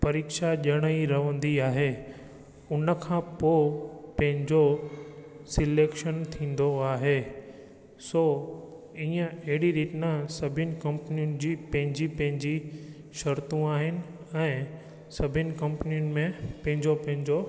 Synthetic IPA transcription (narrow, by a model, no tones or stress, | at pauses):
pɐɾiːkʃaʄɐɽ̃əiɾɐʋə̃nd̪iaːɦe | ʊnəkʰãːpoːpɐ̃ɦɪ̃ɲd͡ʑo | sɪleːkʃənt̪ʰĩːn̆d̪oaːɦe | soː | iːə̃ɐɦɪɽiɾiːtɪnasɐbʱɪnɪ̆kɐ̃mpnijʊnɪ̆d͡ʑiːpɐ̃ɦɪ̃ɲd͡ʑipɐ̃ɦɪ̃ɲd͡ʑi | ʃɐɾt̪ũaːɦɪnɪ̆ | ɛ̃ː | sɐbʱɪnɪ̆kɐ̃mpnijʊnɪ̆mẽpɐ̃ɦɪ̃ɲd͡ʑopɐ̃ɦɪ̃ɲd͡ʑo